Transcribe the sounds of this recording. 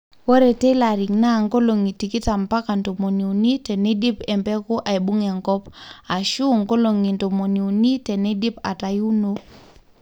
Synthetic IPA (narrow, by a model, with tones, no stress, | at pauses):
wo˦ɾe˨te˦la˨ɾi˨ŋna˦˨ŋko˦lo˨ŋi˨ti˨ki˦ta˨mpa˦ka˨nto˨mo˨ni˨u˨ni˦tɛ˨ne˦di˦pɛ˨mbɛ˦kʊ˦ʔa˨e˨bu˦ŋe˨ŋkɔ˦pa˨ʃu˦˨ŋko˦lo˨ŋi˨nto˨mo˨ni˨u˨ni˦tɛ˨ne˦di˦pa̰˨ta˨ju˦no˦